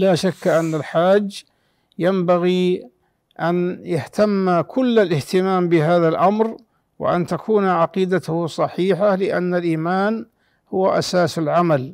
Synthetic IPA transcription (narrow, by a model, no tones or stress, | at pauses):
laːʃakːʔanːalħaːd͡ʒː | jambaɣi | ʔanjaht̪amːakʰʊlːalʔɪht̪ɪmaːmbɪɦaːðalʔamɾ | wɪ̰ʔa̰nt̪akʰuːnʕaqiːd̪at̪ʊhsˤɑħiːħalɪʔa̰nːalʔiːmaːn | hʊwaʔa̰saːsalʕamal